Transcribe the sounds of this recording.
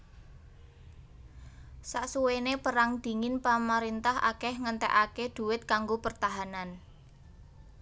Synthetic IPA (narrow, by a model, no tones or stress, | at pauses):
saʔsuwenepəɾaŋd̪̥i̤ŋɪnpamaɾint̪aɦʔa̰kɛhŋənt̪ɛ̰ʔaked̪̥ṳwɪt̪̚kaŋɡopərt̪aɦanan